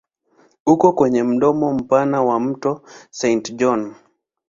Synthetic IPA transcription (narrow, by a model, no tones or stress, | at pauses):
ukɔkwɛɲɛm̩ɗɔmɔm̩panawam̩tɔsɛntd͡ʒɔn